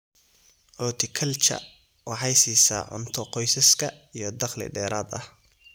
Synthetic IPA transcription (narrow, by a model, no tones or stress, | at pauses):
ʔɔːt̪ʰɪkʰɐlt͡ʃʰɐ̰ | wɑħɑjsiːsa̰ːʕʊ̰nt̪ʰɔqɔjsɐskʰɐ | ijɞd̪ɑχlɪ̰ɖɛːɾaːd̪ɐh